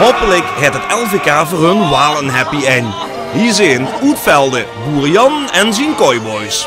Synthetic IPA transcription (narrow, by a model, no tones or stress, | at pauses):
ɦoːpələkɦɛtətɛlˠveːkaːvoːɹɦɵnwaːlˠənɦɛpiɛn | ɦizeːnutfɛlˠdə | ɡuːrijɑnɛnzinkɔjbɔjs